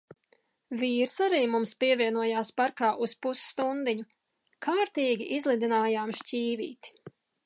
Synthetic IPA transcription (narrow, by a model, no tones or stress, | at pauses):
vʲiːɾsaɾiːmumspiɛvʲiɛnuɔjaːspaɾkaːʔuspusːt̪und̪iɲu | kʰaːɾt̪iːɡʲiʔizlˠid̪inaːjaːmʃcʲiːvḭːt̪